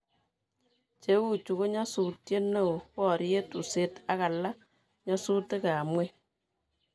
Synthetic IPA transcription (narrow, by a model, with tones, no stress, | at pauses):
t͡ʃe˨˦wu˦t͡ʃu˨ko˦ɲa˦su˨tje˦nːe˦˨o˨pɔ˦˨ɾi˦je˦tu˨se˦ta˦ka˨lːa˦ | ɲa˦su˦te˦ka˨mwe˦